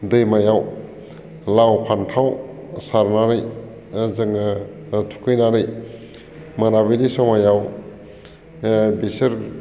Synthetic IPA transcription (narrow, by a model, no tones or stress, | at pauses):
dɯjmajaw | lawpʰantʰawsaɾnaɾɯj | zɯŋ | tʰu̥kʰɯjnaɾɯj | maɾabilisɔmajaw | bisɯɾ